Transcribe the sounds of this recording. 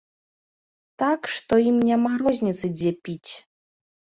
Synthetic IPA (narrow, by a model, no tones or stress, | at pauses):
t̪akʂt̪ɔimnʲamaɣɾɔzʲnʲit̪sɨd͡zʲɛpʲit͡sʲ